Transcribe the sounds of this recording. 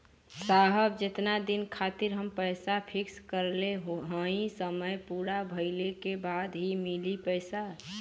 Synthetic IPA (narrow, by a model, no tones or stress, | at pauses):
saɦəb̚d͡ʒɪt̪nad̪inkʰat̪ɪɾɦəmpəjsapʰɪkskəɾleɦɦə̃ĩsəməjpuːɾabʱəɪlekebaːd̪ɦimilipəɪsa